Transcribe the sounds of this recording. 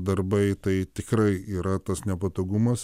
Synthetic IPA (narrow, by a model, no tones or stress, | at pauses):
d̪ɐrbɐɪt̪ɐɪt̪ʲɪkrɐɪiːɾɐt̪ɐsnʲɛpɐt̪oːɡumɐs